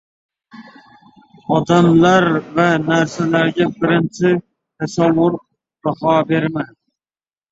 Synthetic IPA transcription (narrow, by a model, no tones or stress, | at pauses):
ɒd̪amlaɾvanæɾsalaɾɡʲabɪɾɪnt͡ʃʰɪ | t̪ʰasawːʊɾ | b̥ahɑːbeɾman